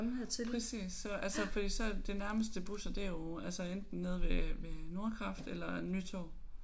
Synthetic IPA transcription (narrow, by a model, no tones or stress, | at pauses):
ɑmheð̰ˠt͡sʰelpʰʁɛsḭːsːɒ̽ʔælsəfɒd̥ḭːsɒ̽d̥e̝næɐməsd̥əb̥usɐd̥eɐjoælsəend̥n̩ːe̝ð̞ˠʋeʋeno̝ɐkʰʁɑ̈fd̥elɐny̰t͡sʰɒ̰ː